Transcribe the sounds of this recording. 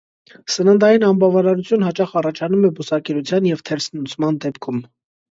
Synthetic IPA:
sənənd̪ɑjinɑmbɑvɑɾɑɾut͡sʰjunɦɑt͡ʃɑχɑrɑt͡ʃʰɑnumɛbusɑkɛɾut͡sʰjɑnjɛvt̪ʰɛɾsnut͡sʰmɑnd̪ɛpkʰum

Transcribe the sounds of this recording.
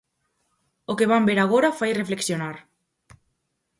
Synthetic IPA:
okeβambeɾaɣ̞oɾafajrefleksjonaɾ

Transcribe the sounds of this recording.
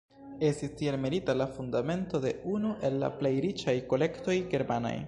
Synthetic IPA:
e̞stistielmelitalafundame̞nto̞de̞unuʔe̞lːa̰ple̞jɾit͡ʃajko̞le̞kto̞jɡe̞ɾmana̰j

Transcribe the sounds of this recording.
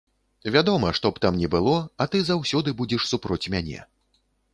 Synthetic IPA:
vʲad̪ɔmɐʂt̪ɔpt̪amnʲɛbɨlˠɔat̪ɨzawsʲɔd̪ɨbud͡zʲɛʂsupɾɔt͡sʲmʲanʲɛ̰

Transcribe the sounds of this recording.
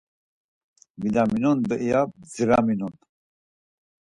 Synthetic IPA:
mid̪aminɔnd̪əʔijab̚d͡ziɾaminun

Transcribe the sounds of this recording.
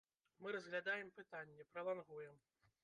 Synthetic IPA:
mɨɾɐzɣlʲad̪ajɛmpɨt̪anʲːɛpɾɐlˠanɣujɛm

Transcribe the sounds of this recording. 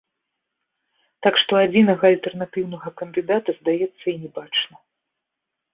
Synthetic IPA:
t̪akʂt̪ɔad͡zʲinɐɣɐɐlʲt̪ɛrnat̪ɨwnɐɣɐkɐnd̪ɨd̪at̪ɐzd̪ajɛt̪sːɐinʲɛbat͡ʂnɐ

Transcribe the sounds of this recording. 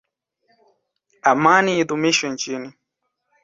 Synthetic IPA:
amaniit̪umiʃɔn̩t͡ʃini

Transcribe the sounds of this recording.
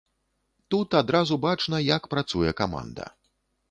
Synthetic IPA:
t̪ut̪ad̪ɾazubat͡ʂnɐjakpɾat̪sujɛkama̰nd̪ɐ̰

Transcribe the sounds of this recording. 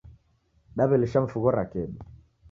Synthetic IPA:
ɗaβɛliʃaɱ̩fuɣɔɾakɛɗu

